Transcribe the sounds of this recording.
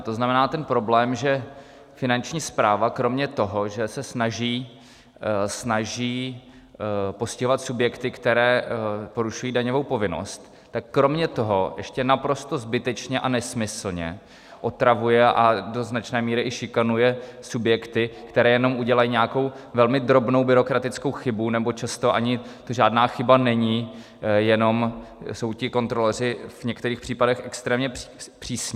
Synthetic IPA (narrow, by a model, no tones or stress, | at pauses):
t̪o̞znamɛnaːt̪ɛnpɾo̞blɛːmʒɛ | fɪnant͡ʃɲiːspɾaːvakɾo̞mɲɛt̪o̞ɦo̞ʒɛsɛsnaʒiː | snaʒiː | po̞scɪɦovat̪subjɛkt̪ɪkt̪ɛɾɛːpo̞ɾuʃujiːdaɲo̞vo̞wpo̞vɪno̰st̪ːakːɾomɲɛt̪o̞ɦo̞ʔɛʃcɛnapɾo̞st̪o̞zbɪt̪ɛt͡ʃɲɛʔanɛsmɪsl̩ɲɛ̰ | ʔo̞t̪ɾavujɛʔado̞znat͡ʃnɛːmiːɾɪʔɪʃɪkanujɛsubjɛkt̪ɪkt̪ɛɾɛːjɛno̞mʔuɟɛlajiɲɛaako̞w | vɛlmɪd̪ɾo̞bno̞wbɪɾo̞kɾat̪ɪt͡sko̞wxɪbunɛbo̞t͡ʃast̪o̞ʔaɲɪt̪oʒaːdnaːxɪbanɛɲi | jɛno̞mso̞wcɪko̞nt̪ɾo̞lɛr̝ɪvɲɛkt̪ɛɾiːxpr̥iːpadɛxʔɛkst̪ɾɛːmɲɛpr̝̥iːsɲɛ